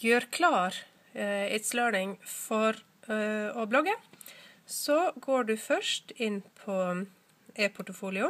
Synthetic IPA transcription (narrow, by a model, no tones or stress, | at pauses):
jøːɾkʰlɑːɾ | ɪːt̪sløːɳɪŋfɔɾ | ɔblɔɡə | sɔɡoːɖʉːfœʃtɪnpʰɔ | eːpʰʊʈəfuːlɪʊ